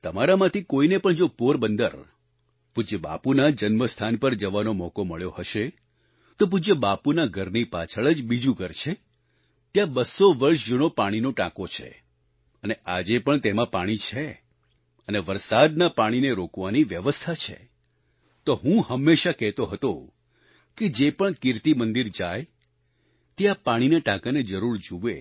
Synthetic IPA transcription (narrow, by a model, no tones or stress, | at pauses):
t̪əmaɾamãt̪ʰikoinepəɳd͡ʒopoɾbənd̪ə̰ɾ | pud͡ʒəba̰punad͡ʒənməst̪ʰanpəɾd͡ʒəʋanomɔkoməɭjohəʃe | t̪op̬ud͡ʒəbapunaɡʱəɾnipa̰t͡ʃʰəɭəd͡ʒbid͡ʒũkəɾt͡ʃʰe | t̪jãbəsːoʋəɾʃd͡ʒunopaɽ̃inoʈã̰kot͡ʃʰḛ | əneʔad͡ʒepəɳt̪emãpaɽ̃it͡ʃʰe | əneʋəɾsad̪napaɽ̃ineɾokʋaniʋjəʋəst̪ʰat͡ʃʰḛ | t̪oɦũhəmːeʃakɛɦt̪oɦət̪o | ked͡ʒepəɳkɪɾt̪imənd̪iɾd͡ʒaj | t̪ejapaɽ̃inaʈãkaned͡ʒəɾuɾd͡ʒuʋe